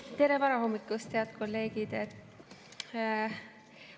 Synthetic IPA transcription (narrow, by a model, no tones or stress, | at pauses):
t̪e̞ɾevɑɾɑɦo̞mːikːˑust̪ːeɑd̪̥kʰo̞lːe̞ːɡ̥id̪̥et̪